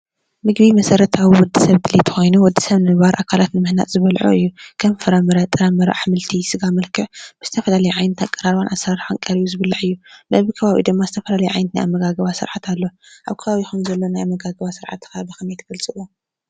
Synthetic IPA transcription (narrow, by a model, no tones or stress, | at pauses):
mɨɡbimɐsɐɾɐt̪ʰawiwɔd̪ːisɐβd̪ɨlit̪ʰɨ̥xo̞jnuwɔd̪ːi̥sɐβnɨɡβaɾʔakʰalat̪nɨmɨhna̰t̪ʼzɨβɐlʕo̰ʔɨjːukʰɐmfɨɾamɨɾɐt̪ʼɨɾamɨɾa̰ħmɨlt̪ʰisɨɡamɐlkʰɨʕb̥ɨz̥ɨt̪ʰɐfɐlalɐjuʕajnɨt̪ʰakʼːɐɾaɾβanʔasɾaɾħaŋkʼɐɾijuzɨβɨlːaʕɨjːubɐβikʰɐβaβḭd̪ɨmːazɨt̪ʰɐfɐlalɐjuʕajnɨt̪naja̰mːɐɡaɡɐβasɨɾʕat̪ʰalːo̞ʔaβkʰɐβaβixunzɐlːo̞najamːɐɡaɡɐβasɨɾʕa̰t̪ːkaβixɨmeɛt̪ʰɡ̥ɐlt͡sʼɨʔu